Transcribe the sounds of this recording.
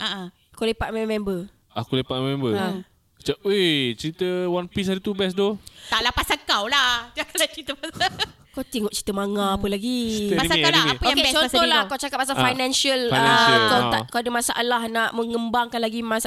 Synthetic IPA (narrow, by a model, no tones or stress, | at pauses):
ʔaʔa | akowlepat̪̚mɛmɛmbə | akulepat̪̚mɛmbəa | kə̥t͡ʃaʔet͡ʃəɾit̪əwanpis̬adit̪ubɛs̬dot̪alapasakawlaht̪iakaat͡ʃɾit̪əpasa | kawt̪iŋɔʔt͡ʃi̥t̪əmaŋãpəlaɡipasaaapəjaeɛt͡ʃoataolaakawt͡ʃakap̚ːasafajnɛ̃nsəlanakaw̪akawdəmasaʔalahnaʔməŋəmbaŋkanlaɡimas